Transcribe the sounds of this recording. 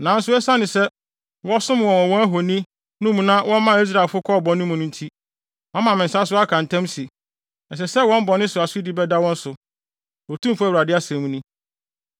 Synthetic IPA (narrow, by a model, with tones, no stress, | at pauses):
nã˨n̩˦sʊ˦ɛ˦sa˦nɪ̃˨sɛ˦ | wɔ˦sʊ̃˦m˨wɔ̃˨ɔ̃˨wɔ̃˦æ˦ɦo˨nĩ˦ | nʊ̃˦mũ˨nã˦wɔ̃˦mã˦i˦s̬ɾa˨lfʊ˦kʰɔ˦˨bɔ̃˨nɪ̃˦mũ˨nʊ̃˦n̩˦tʰi˦ | ã˦mã˨mɪ̃˨n˨sa˦s̬ʊ˦a˦kʰã˨n̩˨tʰɛ̃˦msi˨ | ɛ˨s̬ɛ˨sɛ˦wɔ̃˦m̩˦bɔ˨nɪ̃˦sʊ˨a˨sʊ˦i˦di˦bɛ˦da˦wɔ̃˦n̩˦sʊ˨ | wɔ˨tʰũ˦mfʊ˦æ˦wu˨ɾa˨dɪ˦a˦sɛ̃˨mũ˦nĩ˦